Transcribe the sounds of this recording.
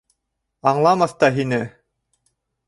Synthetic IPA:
ɑɴlˠɑmɑθt̪ɑɦinɘ

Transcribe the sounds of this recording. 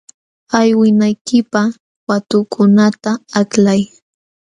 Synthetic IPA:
ajwɪnajkɪpa | wat̪ʊkʰʊnat̪aːklaj

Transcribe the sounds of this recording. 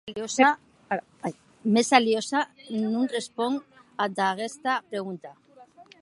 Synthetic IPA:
losa | mesaljosanũŋrespoŋ | ad̪aɣest̪apɾeɣ̞unt̪a

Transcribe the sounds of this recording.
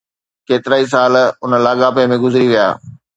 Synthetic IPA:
keːt̪ɪɾaːis̬aːlʊnəlaːɠaːpemẽɡʊzɪɾiʋija̰ː

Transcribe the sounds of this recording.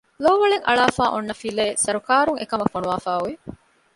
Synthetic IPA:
loːʋɐɭeŋʔɐ̰ɭaːfaːʔonːɐfileːsɐɾukaːɾuŋʔḛkɐmɐfonuʋaːfaːuʋe

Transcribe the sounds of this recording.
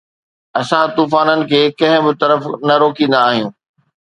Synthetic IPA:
ɐsãt̪uːfaːnənɪ̆kʰeːkɐ̃ɦɪ̃bɪt̪ɐɾəfnɐɾoːkĩːn̆d̪aːɦijũː

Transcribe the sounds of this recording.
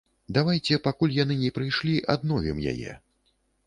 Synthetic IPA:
d̪avajt͡sʲɛpakulʲjanɨnʲɛpɾɨjʂlʲiʔad̪̚nɔvʲimja̰jɛ̰

